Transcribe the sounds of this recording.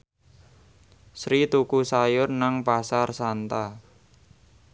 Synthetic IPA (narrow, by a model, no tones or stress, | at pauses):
sɾit̪ukusajʊrnaŋpasarsant̪a